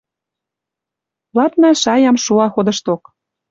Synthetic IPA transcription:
lɑt̪nɑʃɑjɑmʃuɑxod̪ə̆ʃt̪ok

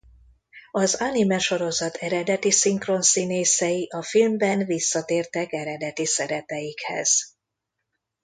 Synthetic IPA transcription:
ɒzanimɛʃo̞ɾo̞zɒt̪ʰɛɾɛd̪ɛt̪isiŋkro̞nsineːsɛjiʔɒfilmbɛnvisːɒt̪eːrt̪ɛkɛɾɛd̪ɛt̪isɛɾɛt̪ɛjikhɛ̰z̥

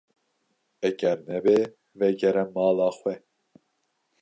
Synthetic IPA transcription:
ɛɡɛɾnɛbe | vɛɡɛɾɛmɑːlɑːxʷwɛ

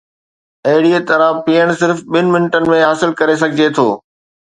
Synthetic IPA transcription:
ɐɦɪɽiet̪ɐɾapiːəɽ̃sɪɾfɓɪnɪ̆mɪnʈənɪ̆mẽɦaːsɪlkɐɾes̬ɐɡʱɪd͡ʑet̪ʰoː

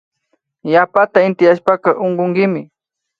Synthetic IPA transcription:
japat̪aɪnt̪ɪjaʃpakɑʔoɴɢoŋɡɪmɪ

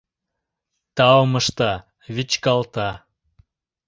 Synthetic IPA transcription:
t̪ɑməʃt̪ɑ | βit͡ɕkɑlt̪ɑ

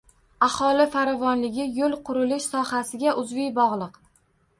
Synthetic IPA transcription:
ahɒlɪfaɾɒvɒnlɪɡʲɪjolˠqʰʊɾɪlɪʃsɒhasɪɡʲaʔʊzvɪjbɒʁlˠɨq

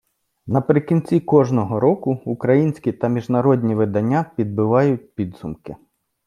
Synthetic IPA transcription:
nɐpɾɪkʲinʲt͡sʲikɔʒnɔɦɔɾɔkʊukɾɐjinʲsʲkʲit̪ɐmʲiʒnɐɾɔdʲnʲiʋɪd̪ɐnʲːapʲid̪̚bɪʋɑjʊt̚ʲpʲid̪zʊmkɪ

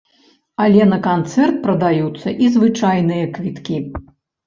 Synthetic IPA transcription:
alʲɛnɐkant̪sɛrt̪̚pɾɐd̪ajut̪sːɐʔizvɨt͡ʂajn̪ɨjɐkvʲit̪kʲi

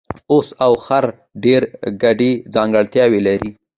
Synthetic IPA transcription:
osawxaɾ | ɖeɾɡaɖed͡zɑŋɡəɭt̪jɑwelaɾi

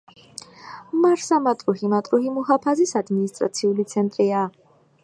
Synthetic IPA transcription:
maɾsamat̪ʼɾuhimat̪ʼɾuhimuhapʰazisad̪minist̪ʼɾa̰t̪sʰiulit̪sʰɛnt̪ʼɾia

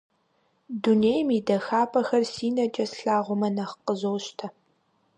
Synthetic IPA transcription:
duneːjmidɐxaːpʰʼɐxɐrsiːnɐt͡ʃʼɐsɬaːʁʷʊmɐnɐχqəzoːɕtʰɐ

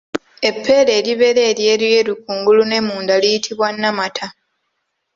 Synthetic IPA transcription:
e̞pʰːe̞ːle̞ːliβe̞ɾeːɾjeːlje̞ːɾik̚uːŋɡulune̞muːndalijitʰiβwanːamatʰa

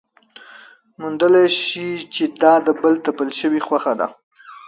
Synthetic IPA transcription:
mund̪əleʃit͡ʃed̪ɑd̪əbəlt̪apəlʃəwixwaxad̪a̰

